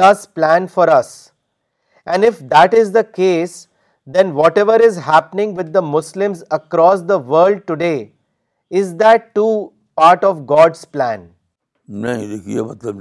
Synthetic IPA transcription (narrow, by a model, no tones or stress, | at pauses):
ʌsplæ̃nfɔɾʌs | ʔæ̃nɪfd̪æʈɪzd̪əkeːs | d̪ɛ̃nʋɔʈɛʋəɾɪzɦæpənɪ̃ŋʋɪd̪̚ːəmʊslɪ̃mzəkɾɔːs̬d̪əʋəːɾlɖ̚ʈʊɖeː | ɪzd̪æʈːuː | paːɾʈɔʋɡɔːɖsplæ̃n | nẽd̪ekʰiḛmɐt̪ləb